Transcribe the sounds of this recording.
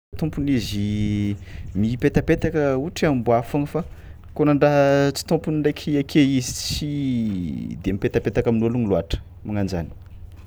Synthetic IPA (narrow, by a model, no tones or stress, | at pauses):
t̪umpunizi | mipet̪apet̪akəuʈ͡ʂiambuafaŋəfa | konaɳɖ͡ʐaɦt͡si̥t̪umpuniɳɖ͡ʐekʰiakʰeizit͡si | d̪eamipet̪apet̪akaminoluniluaʈ͡ʂə̥ | maŋand͡ʒa̰ni̥